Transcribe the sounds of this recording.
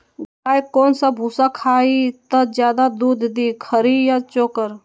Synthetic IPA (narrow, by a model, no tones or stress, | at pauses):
ɡ | aːjkoːnsabʱuːsakʰaːit̪ɐd͡ʒjaːd̪ad̪uːd̪ʱd̪iːkʰəɾijat͡ʃoːkəɾ